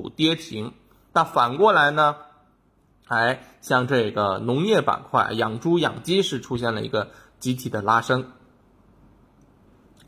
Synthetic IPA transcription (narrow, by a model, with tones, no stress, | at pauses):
u˨˩t̪jɛ˥t͡ɕʰi˧˥ŋ | na˥˩nfa˨˩nkwɔ˥˩la˧˥ɪnə˧ | xa˧˥ɪ | ɕjɑ˥˧ŋʈ͡ʂɤ˥˩ɡə˩nʊ˧˥ŋjɛ˥˩pa̰˨˩nkʰwa˥˩ɪjɑ˨˩ŋʈ͡ʂu˥jɑ̰˨˩ŋt͡ɕi˥ʂɻ̩˥˩ʈ͡ʂʰu˥ɕjɛ˥˩nlə˩ḭ˧˥ɡə˧ | t͡ɕi˧˥t̪ʰi˨˩d̪ə˦la˥ʂɤ˥ŋ